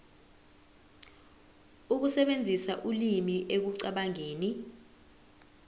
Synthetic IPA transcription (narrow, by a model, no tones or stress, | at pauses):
uk̬usɛɓend͡zʱisaʔulimiʔek̬uǀaɓaŋeːni